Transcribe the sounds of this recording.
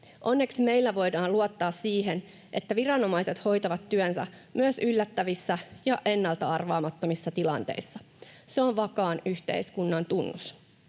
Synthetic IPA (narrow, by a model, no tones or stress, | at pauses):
ʔo̞nːe̞ksme̞ilːæʋo̞jdɑːnluot̪ːɑːssiːɦen | ʔe̞t̪ːæʋirɑno̞mɑjset̪ho̞jt̪ɑʋɑt̪ːyønsæ̰ | mʔyøsylːæt̪ːæʋisːæjɑʔe̞nːɑlt̪ɑɑrʋɑːmɑt̪ːomisːɑt̪ilɑ̰nt̪ḛisːɑ | seoʋʋɑkɑːnyçt̪e̞̰ijskunːɑnt̪unːus